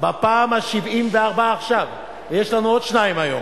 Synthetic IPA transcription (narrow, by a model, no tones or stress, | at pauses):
bapaːmhaʃivimveaʁbaːχʃav | vejeʃlanuo̞dʃnaimajo̞̰m